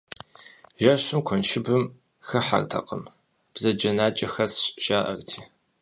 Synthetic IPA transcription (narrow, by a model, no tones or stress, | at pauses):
ʒɐɕɪmkʷʰɔnʃɪbɨm | xɐħa̰rtʰɐ̰qəm | b̥zɐd͡ʒɐnaːt͡ʃʼɐxɐsɕʼʒ̥aːʔɐ̰rtʰiː